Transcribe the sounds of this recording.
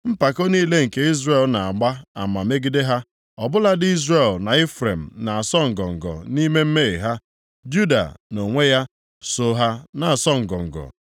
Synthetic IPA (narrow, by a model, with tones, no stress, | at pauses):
m̩˦pa˨ko˦ni˦le˦ŋ̩˨ke˦i˦zɾe˨lna˨a˨ɡ͡ba˦a̰˨ma˨me˦ɡi˦de˦ɦa˦ | ɔ˨bʊ˦la˦dɪ˦i˦zɾe˨lna˨e˦fɾe˨m̩˨na˨a˨sɔ˦ŋ̩˨ɡɔ˨ŋ̩˨ɡɔ̰˨ni˦me˦m̩˦me˦e˨ɦa˦ | d͡ʒu˦da̰˨no˨ŋʷe˦ja˦ | so˦ɦa˦na˨a˨sɔ˦ŋ̩˨ɡɔ̰˨ŋ̩˨ɡɔ̰˨